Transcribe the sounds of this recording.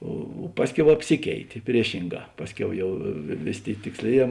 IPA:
oː ˈpɑːsʲˌkʲɛʊ ɐpʲˈsʲɪkʲɛɪtʲeː ˈpʲrʲiɛʃʲɪŋˌɡɑː ˈpɑːsʲˌkʲɛʊ ˈjɛʊ ˈʋʲeːˌsʲeː ˈtʲeːɪ tʲɪksʲˈlʲeːˌjɛː

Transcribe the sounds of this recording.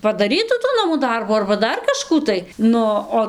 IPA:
pɐdɐˈrʲiːtuː tuː ˈnɑːmuː ˈdɐrbuː ɐrbɐ ˈdɐr kɐˈʃkuː tɐɪ ˈnʊ oː

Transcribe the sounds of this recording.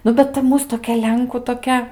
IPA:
ˈnʊ bʲɛt tɐ ˈmuːs toːˈkʲɛ ˈlʲɛŋkuː toːˈkʲɛ

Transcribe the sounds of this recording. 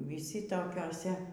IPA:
ʋʲɪˈsʲɪ toːkʲoːˈsʲɛ

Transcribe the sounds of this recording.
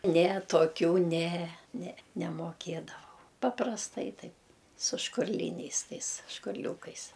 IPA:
ˈnʲɛ toːˈkʲuː ˈnʲɛ nʲɛ nʲɛmoːˈkʲeːdɐʋɐʊ pɐprɐsˈtɐɪ ˈtɐɪp sʊ ʃkʊrʲˈlʲiːnʲɛɪs ˈtɐɪs ʃkʊrʲˈlʲuːkɐɪs

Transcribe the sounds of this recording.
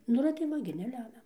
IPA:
ˈnʊ ɪr tɐɪ ˈʋɐ ɡʲɪ nʲɛˈlʲæːmʲɛ

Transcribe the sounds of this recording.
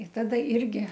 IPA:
ɪ ˈtɑːdɐ ˈɪrʲɡʲɪ

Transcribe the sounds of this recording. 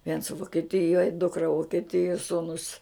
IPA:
ʋʲiɛns ʋʊkʲɛˈtʲɪjoːj ˈdʊkrɐ ʋʊkʲɛˈtʲɪjuɔ ˈsuːnʊs

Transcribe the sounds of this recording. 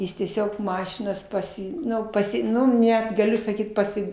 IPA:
ˈjɪs tʲiɛˈsʲoːk ˈmɑːʃʲɪnɐs pɐˈsʲɪ ˈnʊ pɐˈsʲɪ ˈnʊ ˈnʲɛt ɡɐˈlʲʊ sɐˈkʲiːt pɐˈsʲɪ

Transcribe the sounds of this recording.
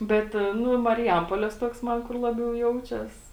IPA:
ˈbʲɛt ˈnʊ mɐrʲɪˈjɛmpoːlʲeːs ˈtuɔks ˈmɐn kʊr ˈlˠɑːbʲɛʊ ˈjɛʊt͡ʃʲɛs

